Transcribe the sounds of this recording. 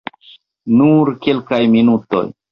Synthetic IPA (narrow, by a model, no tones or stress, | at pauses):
nuɾkelkajminuto̞̰j